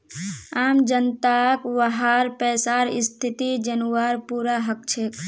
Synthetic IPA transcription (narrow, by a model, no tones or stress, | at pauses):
aːmd͡ʒənt̪akʋəɦaɾpɛːsaɾɪ̰st̪ʰit̪id͡ʒənuwaɾpuɾaɦək̚t͡ʃʰek